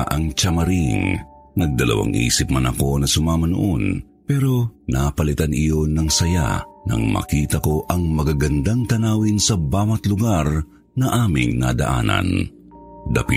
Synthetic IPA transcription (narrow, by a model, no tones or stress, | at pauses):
ʔɐŋt͡ʃɐmɐɾiŋ | nɐɡ̚d̪ɐlɐ̰wa̰ŋʔḭːsɪp̚mɐnɐko̞nɐsʊmaːmɐnʊʔon | pɛɾo̞napɐlɪt̪anɪjo̞nɐŋsɐja̰nɐ̰ŋmɐ̰kiːt̪ɐko̞ʔɐŋmɐɡaɡɐnd̪aŋt̪ɐnaːwinsɐbaːwɐt̪lʊɡaɾ | nɐʔaːmɪ̰ŋnad̪ɐ̰ʔa̰ːnɐ̰n | d̪ɐpi